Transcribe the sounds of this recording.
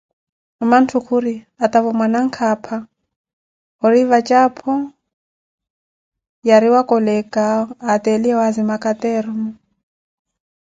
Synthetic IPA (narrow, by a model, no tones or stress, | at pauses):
ɔman̩tʰukʰuɾi | at̪avɔmwanaŋ̩kʰapʰa | ɔɾivat͡ʃʼapʰɔ | jaɾiwakʼɔlɛkʼaːt̪ʼɛliɛwazimakʼat̪ɛɾɔmɔ